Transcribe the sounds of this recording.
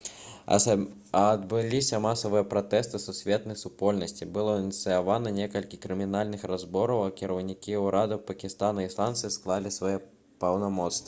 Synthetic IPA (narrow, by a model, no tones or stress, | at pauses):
d̪bɨlʲisʲɐmasɐvɨjɐpɾat̪ɛst̪ɨsusʲvʲet̪̚nɐjsupɔlʲnɐsʲt͡sʲibɨlˠɔinʲit̪sɨjavanɐnʲekɐlʲkʲikɾɨmʲinalʲnɨxɾazbɔɾɐwɐkʲiɾɐwnʲikʲiwɾad̪ɨpɐkʲist̪anɐislˠant̪sɨsklˠalʲisvajɛ | pɐwnamɔt̪st̪vɐ